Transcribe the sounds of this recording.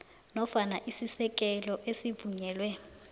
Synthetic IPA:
nɔfanaʔisisɛk̬ʼɛlɔʔesivuɲɛːlwɛ

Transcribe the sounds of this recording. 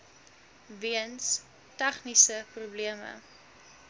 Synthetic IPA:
viəns | tɛχnisəprubliəmə̰

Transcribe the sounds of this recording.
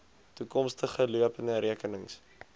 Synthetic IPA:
tukɔmstəχəluəpənəɾiəkənəŋs

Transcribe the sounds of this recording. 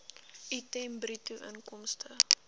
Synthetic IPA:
ʔitɛmbrituʔə̰nkɔmstʰə

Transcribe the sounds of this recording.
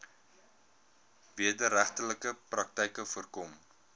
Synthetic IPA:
viədəɾæχtələkəprɐk̚tɛjkəfərkɔm

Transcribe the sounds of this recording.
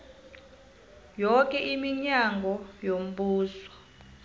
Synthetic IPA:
jɔkʼɛʔimiɲaŋɡʱɔjom̩ɓuːswɔ̥

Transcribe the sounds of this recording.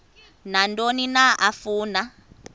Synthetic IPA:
nandʼoninaʔafuːna

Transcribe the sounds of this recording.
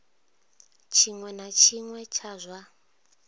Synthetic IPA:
t͡ʃʰiŋwɛnat͡ʃʰiŋwɛt͡ʃʰazʷa

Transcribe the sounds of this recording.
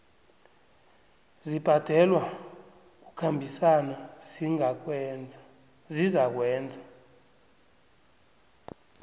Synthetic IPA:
zib̥ʱad̥ʱɛlwa | k̬ukʰambʱisanaziŋa | zizak̬wɛːnd͡zʱa

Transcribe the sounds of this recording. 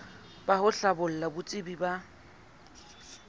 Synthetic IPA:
b̥ahʊɬabʊl̩labʊt͡sʼɪbiba

